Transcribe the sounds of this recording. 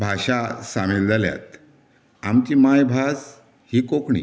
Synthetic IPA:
bʱaɕasameld͡zalja̰t̪ | amt͡ɕimajbʱas | hiːkokɳḭ

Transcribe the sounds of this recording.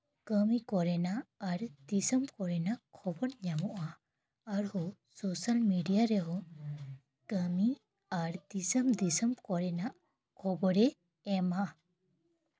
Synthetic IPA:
kəmikɔɾɛnaːɾd̪isəmkɔɾɛnaʔkʰɔbɔɾɲamɔʔa | aɾhɔ | sɔsalmiɖijaɾɛɦɔ | kəmi | aɾd̪isəmd̪isəmkɔɾɛnaʔ | kʰɔbɔɾɛ | ɛma

